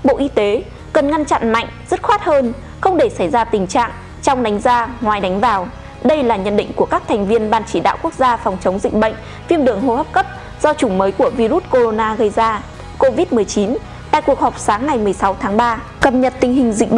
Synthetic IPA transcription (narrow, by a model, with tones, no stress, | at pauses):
ɓo̰˧˨ʔi˧t̪e˨˦ | kə˨˩nŋa˧nt͡ɕa̰˧˨nma̰˧˨jŋ̟zə˦˥t̚xwaː˦˥t̚həː˧n | xə˧wŋ͡mɗe˧˩sa˧˩jzaː˧t̪ï˨˩ŋ̟t͡ɕa̰ː˧˨ŋ | t͡ɕɔ˧wŋ͡mɗa˨˦ŋ̟zaː˧ŋwaː˨˩jɗa˨˦jŋ̟vaː˨˩w | ɗə˧jlaː˨˩ɲə̰˧˨nɗḭ˧˨ŋ̟ku˧˩əkaː˦˥k̚t̪ʰɛ˨˩jŋ̟vi˧ənɓaː˧nt͡ɕi˧˩ɗa̰ː˧˨wku˦˥ək̚zaː˧fɔ˨˩wŋ͡mt͡ɕə˨˦wŋ͡mzḭ˧˨k̟̚ɓə̰˧˨jŋ̟ | fi˧əmɗɨ˨˩əŋɦo˧˩hə˦˥p̚kə˦˥p̚ | z̥ɔ˧t͡ɕʊ˨˧˩ŋ͡mməː˨˦jku˧˩əvi˧zu˦˥t̚ko˧ɾo˧naː˧ɣə˧jzaː˧ | ko˧vi˦˥t̚mɨ˨˩əjt͡ɕi˨˦n | t̪a̰ː˧˨jku˨˩ək̚hɔ˨˩k͡p̚saː˨˦ŋːa˨˩jmɨ˨˩əjsa˨˦wt̪ʰaː˨˦ŋɓaː˧ | kə˨˩p̚ɲə˨˩t̚t̪ï˧˩ŋ̟ɦï˨˩ŋ̟zḭ̟˧˨ɓə˧˨